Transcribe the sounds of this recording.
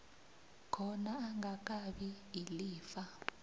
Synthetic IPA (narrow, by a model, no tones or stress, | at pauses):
kʰɔnaːŋɡak̬ʼaɓi | iliːfa